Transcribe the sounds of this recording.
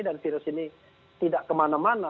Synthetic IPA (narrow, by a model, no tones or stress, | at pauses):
danfiɾəsini | t̪idaʔkəmanamana